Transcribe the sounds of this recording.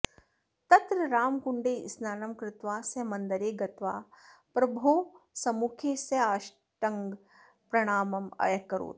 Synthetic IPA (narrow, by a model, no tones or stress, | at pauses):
t̪ɐt̪ɾɐɾaːmkuɳɖeːsnaːnɐmkɾɪt̪ʋaːsɐmɐ̃nd̪ɐɾeːɡɐt̪ʋaːpɾɐbʱoːsɐmukʰeːsɐaːʃ | ʈɐŋɡ | pɾɐɽ̃aːmɐmɐ̰jɐkːɐɾo̰ːt̪